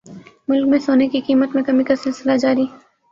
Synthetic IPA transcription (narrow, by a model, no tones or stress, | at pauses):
mʊlk̚mẽsoːnekikiːmət̪mẽkɐmikasɪlsɪlad͡ʒaːɾiː